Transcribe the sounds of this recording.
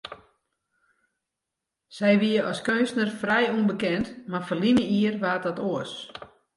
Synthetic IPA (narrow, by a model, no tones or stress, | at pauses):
sɛjʋiəʔɔskønstnərfrɛjunbəkɛntmarfərlinəiərʋaːt̚dɔtoəs